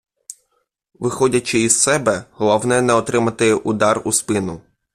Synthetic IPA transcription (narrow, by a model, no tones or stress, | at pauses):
ʋɪxɔdʲɐt͡ʃɪizsɛbɛɦɔlˠɔwnɛnɛɔt̪ɾɪmɐt̪ɪud̪ɑruspɪnʊ